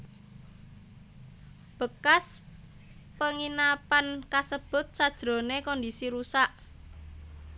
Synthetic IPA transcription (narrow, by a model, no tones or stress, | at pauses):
b̥ə̤kas | pəŋinapankasəb̥ʊ̤t̪̚sad̥ʒ̥ɾo̤nekɔndisiɾusaʔ